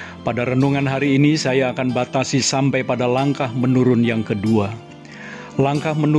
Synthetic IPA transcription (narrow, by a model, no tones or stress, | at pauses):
padaɾənuŋanɦaɾiːnisajaːkanbat̪asisampajpadalaŋkahmənuɾʊnjaŋkədua | laŋkahmənu